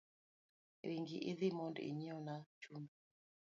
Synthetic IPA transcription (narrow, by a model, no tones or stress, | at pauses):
ɾiŋɡiʔɪðɪmɔndḭɲiɔnat͡ʃundu